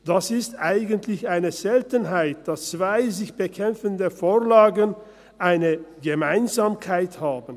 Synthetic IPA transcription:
d̥asɪstʔaɪɡəntʰlɪçaɪnəzɛltənɦaɪt̚d̥ast͡sv̥aɪzɪçb̥əkʰɛmfəndəfoːɐlaːɡən | ʔaɪnəɡəmaɪnzaːmkʰaɪthaːbn̩

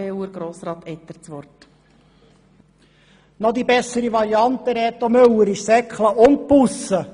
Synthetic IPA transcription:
eəɾɡ̥ɾoːsɾɑːt̪ɛt̪ːəɾt͡sʋɔrt | nɔd̪ibɛsəɾiʋɑɾiɑnt̪əɾɛːt̪omøwəɾɪʃsɛkχləʔʊnt̪̚pusə

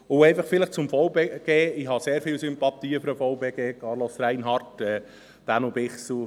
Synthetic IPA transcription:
ʊɛɪfɑχfɪləχt͡sʊmfɔwbeɡ̥eːɪɦɑseːɾfilsympɑt̪iːəfɾəfɔʊbeɡeːkʰɑːɾlɔsɾɛɪnɦɑrtɛː | d̥anubɪχsu

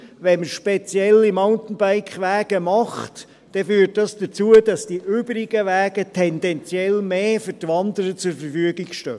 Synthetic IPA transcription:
ʋɛnməʃpɛt͡sjɛlimɑʊntn̩baɪkχʋæːɡ̥əmɑχt | d̥ɛfyːɾt̚dɑsd̥ət͡suədɑsd̥iʔøːbɾɪɡ̥əʋæːɡətʰɛndɛnt͡sjɛlmeːfʏɾtʋɑnd̪əɾət͡sʊɾfəɾfyəɡɪɡʃtœː

